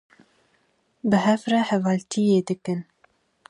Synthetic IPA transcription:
bɨɦɛfrɛhɛvɑːlt̪ʰijeːd̪ɨkɨn

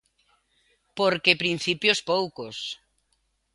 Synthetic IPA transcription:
poɾkepɾin̟θipjospowkos

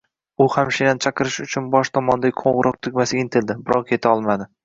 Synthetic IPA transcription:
ʊhamʃenant͡ʃʰɑqʰɨɾɪʃʊt͡ʃʰʊnbɒʃt̪ʰɒmɒnd̪aɡʲɪkqʰoɴʁɨɾʔɒq̚t̪ʰʊɡʲmasɪɪnt̪ʰɪld̪ɪbɪɾɒʁkʲʰe̞t̪ʰaɒlˠmad̪ɪ

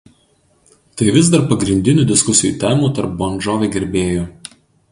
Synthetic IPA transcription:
t̪ɐɪʋʲɪz̬d̪ɐɾpɐɡɾʲɪnʲd̪ʲɪnʲuːd̪ʲɪskʊsʲɪjuːˑt̪ʲɛːmuːt̪ɐɾp̚bɔnʲd͡ʒoːʋʲeɡʲɛɾʲbʲeːjoː

